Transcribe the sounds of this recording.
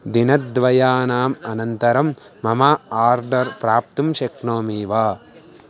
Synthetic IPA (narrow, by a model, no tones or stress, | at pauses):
d̪inɐt̪d̪ʋɐjaːnaːmɐnɐnt̪ɐɾɐmː | ɐmaaːɾɖɐɾpɾaːp̚t̪umʃɐkɳoːmiːʋaː